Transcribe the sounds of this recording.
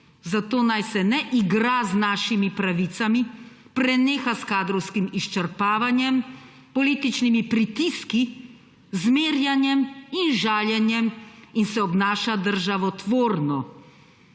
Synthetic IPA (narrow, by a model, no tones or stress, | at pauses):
zat̪oːnajsɛnɛʔiɡɾaznaːʃimipɾaʋit̪sami | pɾɛneːxaskaːd̪ɾɔwskimiʃt͡ʃɛɾpaːʋanjɛm | pɔliːt̪it͡ʃnimipɾit̪iski | zmeːɾjanjɛminʒaːljɛnjɛminsɛɔbnaːʃad̪əɾʒaʋɔt̪ʋoːɾnɔ